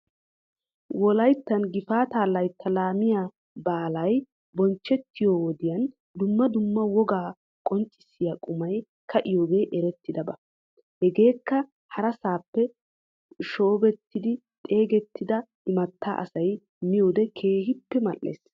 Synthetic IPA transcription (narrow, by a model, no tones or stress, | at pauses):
wɔlɐjt̪ːɐnɡɪfaːt̪aːlɐjt̪ʰːɐlaːmɪja | baːlɐj | bɔnt͡ʃːɛt̪ʰːɪjoːwɔd̪ɪjɐn | d̪ʊmːɐd̪ʊmːɐwɔɡaː | kʼɔnt͡ʃʼːɪ̥sːɪjaːkʼʊmɐj | kʰɐʔɪjoːɡe̞ːʔɛɾɛt̪ːɪd̪ɐbɐ | hɛɡe̞ːkːɐ | hɐɾɐsaːpːɛ | ʃoːbɛt̪ːɪd̪ɪ | t̪ʼe̞ːɡɛt̪ːɪd̪ɐʔɪmɐt̪ʰːa̰ːʔɐ̰sɐj | mɪjoːd̪ɛkʰe̞ːhɪpːɛmɐlʔːḛːs